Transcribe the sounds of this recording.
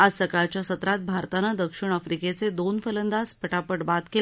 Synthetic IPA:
ad͡zsəkaɭt͡ɕjasət̪ɾat̪̚bʱaɾt̪anad̪əkʂiɳ̃afɾiket͡sed̪onfələnd̪aspəʈapəʈbat̪kel

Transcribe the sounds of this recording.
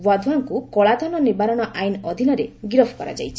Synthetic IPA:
wad̪ʱwaŋkukɔɭad̪ʱɔnɔnibaɾɔɽ̃ɔʔajnɔd̪ʱinɔɾeɡɾɔpʰkɔɾa̰d͡ʒa̰jt͡ʃʰi

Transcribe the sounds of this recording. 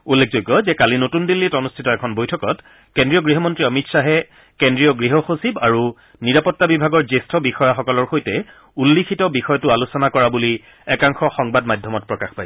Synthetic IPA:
ulːek̚ʰzojɡːɔzɛkalinotundilːitɔnustʰitɔɛkʰɔnbojtʰɔkɔt | kendɹijɔɡɹiɦɔmɔntɹiɔmitsaɦɛ | kendɹijɔɡɹiɦɔxosibaɹu | niɹapɔtːabibʱaɡɔɹzestʰɔbixɔjaxɔkɔlɔɹxojtɛ | ulːikʰitɔbixɔjɔtʊalusɔnakɔɹabuli | ɛkaŋxɔxɔŋbadmadʱjɔmɔt̚pɹɔkaxpaj

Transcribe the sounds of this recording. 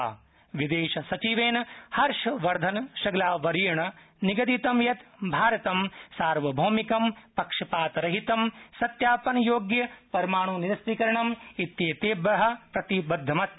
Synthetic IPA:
ʋid̪eːʃɐsɐt͡ʃiʋeːnɐhɐɾʂɐʋɐɾd̪ʱɐnʃɐɡlaːʋɐɾijɐɳɐ | niɡɐd̪it̪ɐmjɐt̪bʱaːɾɐt̪ɐmsaːɾʋɐbʱoːmikɐmpɐkʂɐpaːt̪ɐɾɐɦit̪ɐmsɐt̪jaːpɐnɐjoːɡjɐpɐɾɐmaːɳ̃uːniɾɐst̪ikɐɾɐɳɐmit̪jeːt̪eːbɐɦɐ̆pɾɐt̪ibɐd̪ʱːɐmɐt̪̚

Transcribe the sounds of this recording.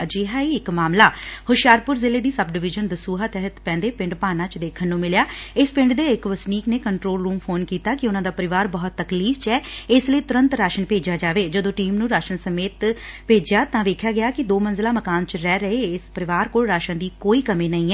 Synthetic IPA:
d͡ʒɪɦaːiːɪkmaːmlaːhʊʃjaːɾpʊɾzɪleːd̪iːsəbɖɪʋɪd͡ʒənd̪əsuːɦaːt̪ɛːɦət̪pɛ̃ːnd̪eːpɪ̃ɳɖpaːnãːt͡ʃd̪eːkʰənːũːmɪljaːɪspɪ̃ɳɖd̪eːɪkʋəsniːkneːkəɳʈɾoːlɾuːmpʰoːnkiːt̪aːkɪʊnãːd̪aːpəɾɪʋaːɾbəɦʊt̪ːəkliːft͡ʃɛːɪsləiːt̪ʊɾə̃nt̪ɾaːʃənpeːd͡ʒaːd͡ʒaːʋeːd͡ʒəd̪õːʈiːmnũːɾaːʃənsəmeːt̪peːd͡ʒjaːt̪ãːʋeːkʰjaːɡɪjaːkɪd̪oːmənzɪlaːməkaːnt͡ʃɾɛːɾəeːɪspəɾɪʋaːɾkoːlɾaːʃənd̪iːkoːiːkəmeːnəĩːɛː

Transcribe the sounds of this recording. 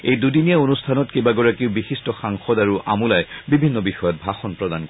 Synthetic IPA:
ejdudinijaonustʰanɔtkebaɡɔɹakiʊbixistɔxaŋxɔdaɹuʔʔa̰mulajbibʱinːɔbixɔjɔt̚bʱaxɔnpɹɔdankɔ

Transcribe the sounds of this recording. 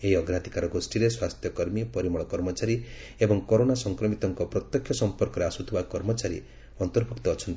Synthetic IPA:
eɦiɔɡɾat̪i̥kaɾɔɡosʈiɾeswast̪ʰjɔkɔɾmipɔɾimɔɭɔkɔɾmɔt͡ʃaɾi | ebɔŋkɔɾonasɔŋkɾɔmit̪ɔŋkɔpɾɔt̪jɔkʰjɔsɔmpɔɾkɔɾeasut̪ʰibakɔɾmɔt͡ʃaɾḭ | ɔnt̪ɔɾbʱukt̪ɔːt͡ʃʰɔnt̪i

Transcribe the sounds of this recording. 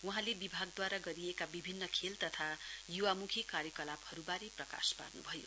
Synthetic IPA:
uɦãlebibʱaɡd̪waɾaɡʌɾiekabibʱinːʌkʰelt̪ʌt̪ʰajuwamukʰikaɾjʌkʌlabhʌɾubaɾeprʌka̰spa̰rnubʱʌjo̰

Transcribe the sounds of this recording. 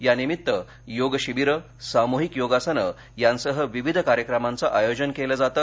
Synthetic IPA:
janimit̪ːə | joɡɕiʋiɾə | samuɦikjoɡasənə | jansəɦəʋiʋid̪ʱəkaɾjəkɾəmant͡səʔajod͡ʑənkeləd͡zat̪ə

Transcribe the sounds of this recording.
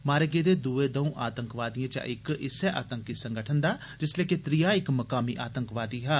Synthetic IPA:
maːɾəɡeːd̪eːd̪uːeːd̪əũːʔaːt̪əŋkʋaːd̪ɪjãːt͡ʃã̰ːʔɪkɪsɛːʔa̰ːt̪əŋkɪsəŋɡəʈʰənd̪aː | d͡ʒɪsleːkɪt̪ɾijaːɪkməkaːmḭːʔaːt̪əŋkʋaːd̪iːɦɛ

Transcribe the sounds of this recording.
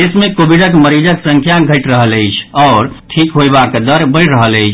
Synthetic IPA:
esmekobiɖəkməɾid͡ʒəksə̃ŋkʰjaɡʱəɪʈɾəɦələɪt͡ʃʰɔːɾʈʰikɦojbakd̪əɾbəjɾəɦələjt͡ʃʰ

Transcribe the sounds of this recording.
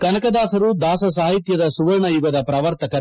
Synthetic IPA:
kɐnɐkɐd̪aːsɐɾud̪aːsɐs̬aːɦit̪jɐd̪ɐsuʋɐɾɳɐjuɡɐd̪ɐpɾaːʋɐɾt̪ɐkɐ

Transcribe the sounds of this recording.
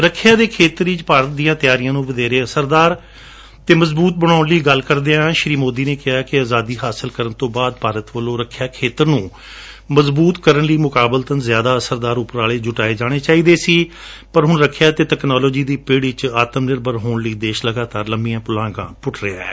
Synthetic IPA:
ɾəkʰjãːd̪eːkʰeːt̪ɾiːt͡ʃpaːɾət̪̚d̪ijãːt̪ɪjaːɾijãːnũːʋəd̪eːɾeːəsəɾd̪aːɾ | t̪eːməzbuːt̪̚bəɽ̃aːʊnliːɡəlkəɾd̪eːãːʃɾiːmoːd̪iːneːkɪɦaːkɪaːzaːd̪iːɦaːsɪlkəɾənt̪õːbaːd̪̚paːɾət̪ʋəlõːɾəkʰjaːkʰeːt̪əɾnũː | məzbuːt̪kəɾənliːmʊkaːbəlt̪ənzjaːd̪aːəsəɾd̪aːɾʊpːəɾaːleːd͡ʒʊʈaːeːd͡ʒaːɽ̃eːt͡ʃaːiːd̪eːsiː | pəɾɦʊɳɾəkʰjaːt̪eːʈɛːknaːloːd͡ʒiːd̪iːpeːɽit͡ʃaːt̪əmnɪɾbəɾɦoːɳləiːd̪eːʃləɡaːt̪aːɾləmbijãːpʊlãːɡã̰ːpʊʈʰɾeaɛ̰ː

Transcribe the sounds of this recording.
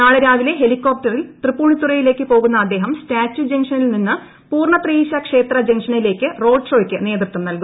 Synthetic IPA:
naːɭɐɾaːʋile̞ɦe̞likːo̞ːp̚ʈɐrilt̪ripːuːɳit̪ːurɐjile̞ːkːɨpo̞ːɣunːɐːd̪ːe̞ːɦɐmstaːt͡ɕːud͡ʑeŋʂɐnilninːɨ | puːrɳɐt̪riːɕɐkʂe̞ːt̪rɐd͡ʑɐŋʂɐnile̞ːkːɨro̞ːɖʂo̞ːikʲːɨne̞ːt̪rɨt̪ːumnɐlkum

